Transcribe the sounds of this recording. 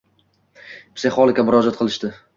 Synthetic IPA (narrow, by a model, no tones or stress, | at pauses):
pseχɒlˠɪkʲamʊɾɒd͡ʒat̪̚qʰɨlˠɪʃd̪ɪ